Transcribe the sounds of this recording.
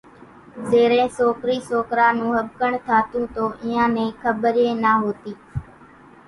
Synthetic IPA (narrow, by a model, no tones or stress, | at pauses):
zeːɾẽːsoːkɾiːsoːkɾaːnũːɦəbkəɳt̪ʰaːt̪ũːt̪oːʔɪːãːnẽːkʰəbɾeːnaːɦoːt̪iː